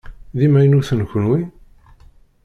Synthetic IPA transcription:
ðimæjnuθənçənwi

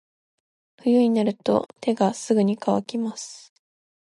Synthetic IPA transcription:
ɸɯ̟jɯ̟ɲ̟inaɾɯ̟t̪o̞̰t̪ʰe̞ɡasɨɡɯ̟ɲ̟ikaβakʲimasɨ̥

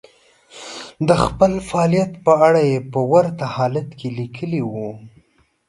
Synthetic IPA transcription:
d̪əxpəlfaɑlijat̪pəaɽajepəwaɾt̪ahɑlat̪kʰelikʰəliwu

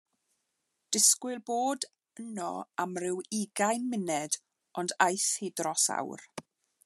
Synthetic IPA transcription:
d̥ɪskwɨlˠboːd | ənɔ̰amrɪwiɡajnmɪnɛd | ɔndajθhidrɔsa̰wr

